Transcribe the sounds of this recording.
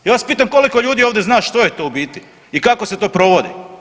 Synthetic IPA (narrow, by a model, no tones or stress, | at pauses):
jaːʋaspiːt̪̬amko̞liko̞ʎuːd̪io̞ːʋd̪e̞znaːʃt̪o̞jet̪obit̪i | ikakose̞t̪oːpɾo̞ʋo̞d̪ḭ